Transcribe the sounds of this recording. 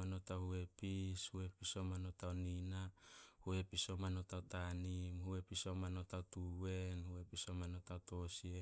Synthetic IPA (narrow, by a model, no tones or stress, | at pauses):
anotahue̞pishue̞pisomanotaoninahue̞piso̞manotawtanimhue̞pisomanotawtuwe̞nhue̞pisomanotawto̞sie